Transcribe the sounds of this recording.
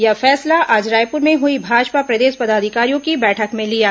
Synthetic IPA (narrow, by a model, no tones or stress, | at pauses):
jɐfɛːslaʔaːd͡ʒɾaːjpʊɾmẽɦʊibʱaːd͡ʒpapɾɐd̪eːʃpɐd̪aːd̪ʱɪkaːɾijõkibɛːʈʰəkmẽlijaː